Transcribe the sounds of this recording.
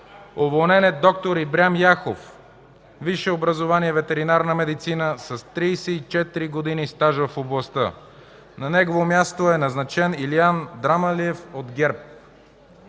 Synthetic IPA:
ovolˠnɛnɛd̪ɔk̚t̪oɾibɾʲamjaxof | viʃɛobɾɐzovaniɛvɛt̪ɛɾinaɾnəmɛd̪it̪sinəsɐst̪ɾijsɛit͡ʃɛt̪iɾiɡod̪inist̪aʒvəfoblˠɐst̪ə | nɐnɛɡovomjast̪oɛnɐznɐt͡ʃɛniliand̪ɾamɐliɛfod̪ɡʲɛɾp̚

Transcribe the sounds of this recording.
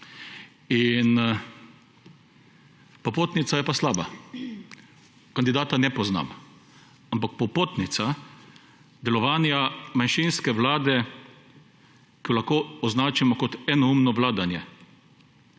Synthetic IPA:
in | pɔpoːt̪nit̪sajɛpaslaːba | kand̪id̪aːt̪anɛpɔzna̰ːm | ampak̚pɔpoːt̪nit̪sa | d̪ɛlɔʋaːnjamanʃinskɛʋlaːd̪ɛ | kiɔlaxkoːɔznaːt͡ʃamɔkɔt̪ɛnɔumnɔʋlaːd̪anjɛ

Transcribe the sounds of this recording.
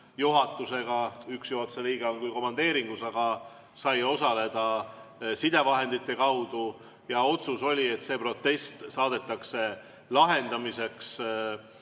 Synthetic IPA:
juɦɑt̪ːˑuse̞ɡ̥ɑyksjuɦot̪seliːɡ̥eo̞ŋkujko̞mːɑnd̪̥e̞ːɾiŋɡ̥usɑɡ̥ɑ | sɑjo̞sɑle̞d̪̥ɑsid̪e̞vɑɦe̞nd̪̥it̪ːˑe̞kɑwd̪̥u | jɑo̞t̪suso̞lʲie̞t̪se̞ːpro̞t̪ːe̞st̪sɑːd̪e̞t̪ːˑɑkse̞ | lɑɦe̞nd̪ɑmise̞ks

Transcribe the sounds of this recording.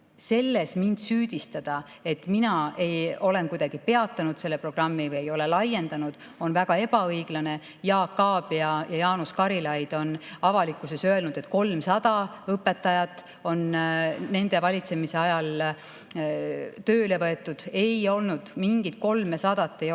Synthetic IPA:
se̞lːesmind̪̥syːd̪̥ist̪ɑd̪̥ɑ | e̞t̪minɑe̞jo̞le̞nkujd̪̥ɑɡ̥ipe̞ɑt̪ːˑɑnud̪̥se̞lːepro̞ɡ̥rɑmːivɯje̞jo̞le̞lɑje̞nd̪̥ɑnud̪̥ | o̞nvæɡ̥ɑe̞b̥ɑɤjɡ̥lɑne̞ | jɑːkːɑːb̥iɑjɑjɑːnuskɑɾilɑjd̪̥o̞nɑvɑlikːˑuse̞sø̞e̞lnud̪̥e̞t̪̚ːˑko̞lmsɑd̪̥ɑ | ɤpːe̞t̪ːˑɑjɑt̪ˑː | o̞nne̞nd̪e̞vɑlʲit̪se̞mise̞ɑjɑl | t̪ø̞ːle̞vɤe̞t̪ˑːud̪̥e̞jo̞lnud̪̥miŋɡ̥it̪̚ko̞lmesɑd̪̥ɑt̪ˑːej

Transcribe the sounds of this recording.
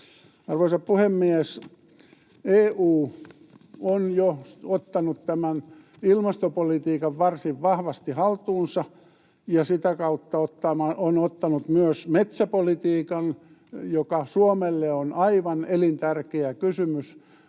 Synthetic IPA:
ɑrʋoisɑppuhemːies | eːuː | onjoot̪ːɑnut̪t̪æmæn | ilmɑst̪opolit̪iːkɑʋʋɑrsiʋʋɑhʋɑst̪ihɑlt̪uːnsɑ | jɑsit̪ækɑut̪ːɑot̪ːɑmɑonot̪ːɑnut̪myøsmet̪sæpolit̪iːkɑn | jokɑsuomelːeonɑiʋɑnelint̪ærkeækysymys

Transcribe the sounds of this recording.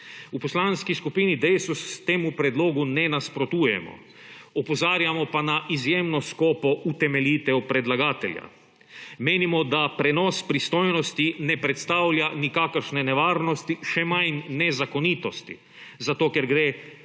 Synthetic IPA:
upɔslanskiskupinid̪ɛjsust̪eːmupɾɛd̪loːɡunɛnaspɾot̪uːjɛ̰mɔ̰ | ɔpɔzaːɾjamɔpanaʔizjeːmnɔskɔːpɔʔut̪ɛmɛlʲiːt̪ɛupɾɛd̪laɡaːt̪ɛlʲja̰ | meːnimɔd̪apɾɛnɔspɾist̪oːjnɔst̪inɛpɾɛt̪st̪awlʲjanikakəɾʃnɛnɛʋaːɾnɔst̪iʃɛmajnːɛzakonit̪ɔst̪ḭ | zat̪oːkɛɾɡɾeː

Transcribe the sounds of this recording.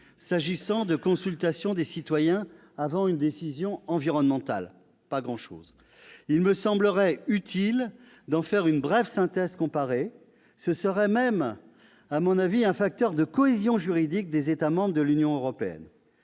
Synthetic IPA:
saʒisɑ̃d̪əkɔ̃sylt̪asjɔ̃d̪esit̪wajɛ̃ | avɑ̃ynd̪esizjɔ̃ɑ̃viʁɔnmɑ̃t̪a̰l | paɡʁɑ̃ʃo̰ːz | ilməsɑ̃bləʁɛyt̪ʰil | d̪ɑ̃fɛʁynbʁɛvsɛ̃t̪ɛzkɔ̃paʁe | səsəʁɛmɛm | amɔ̃naviɛ̃fak̚t̪œʁd̪əkɔezjɔ̃ʒyʁid̪ik̚d̪ezet̪amɑ̃bʁəd̪əlynjɔ̃øʁɔpeɛ̰n

